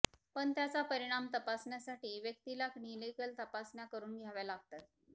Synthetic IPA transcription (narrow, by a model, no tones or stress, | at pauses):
pəɳt̪jat͡sapəɾiɽ̃amt̪əpasɳjasaʈiːʋjəkt̪ilakniləkəlt̪əpasnjakəɾuːnɡʱjaʋjalaɡ̚t̪at̪